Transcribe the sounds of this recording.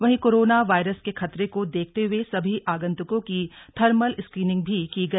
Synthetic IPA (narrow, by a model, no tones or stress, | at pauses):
ʋɐɦĩkoːɾoːnaʋaːɪɾəskexʰɐt̪ɾekod̪eːk̚ʰt̪eɦʊesɐbʱiʔaːɡə̃nt̪ʊkõkit̪ʰɐɾməlɪskɾiːnɪ̃ŋɡ̚bʱikiɡɐi